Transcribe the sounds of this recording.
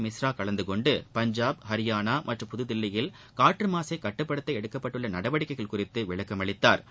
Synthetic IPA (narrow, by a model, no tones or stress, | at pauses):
mɪsɾaːkɐɭɐnd̪ɯkɔɳɖɯpɐɲd͡ʒaːbhɐɾɪjaːnaːmʔɐʈrɯmpʊðɯðɪlːɐjɪl | kaːʈrɯmaːsɐɪkɐʈːɯpːɐɽɐt̪ːɐɪɛɽɯkːɐpːɐʈːɯɭːɐnɐɽɐʋɐɽɪkːɐɪɣɐɭkʊrɪt̪ːɯʋɪɭɐkːɐmɐɭɪt̪ːa̰ːɾ